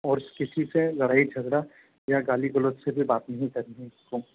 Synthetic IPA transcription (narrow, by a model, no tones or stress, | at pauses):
ɔːɾkɪsiselɐɽaːit͡ʃʰɐzɾa | jaɡaːliɡɐloːt̪sebʱibaːt̪nɐɦĩkɐɾniɦɛ̃ɪskoː